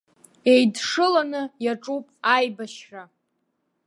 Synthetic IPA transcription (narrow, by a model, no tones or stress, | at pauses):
e̞jdʂɨlanɨjaʈ͡ʂʼupʼajbaʃra